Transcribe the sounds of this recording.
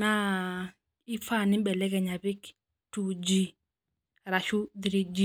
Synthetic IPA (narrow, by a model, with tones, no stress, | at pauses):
na˦ | ɪ˦fa˦˨nɪ˦bɛ˨lɛ˦kɛ˨ɲa˨bɪ˦k | tu˨d͡ʒi˦ | ɾa˨ʃu˦d̪ɾi˦d͡ʒi˦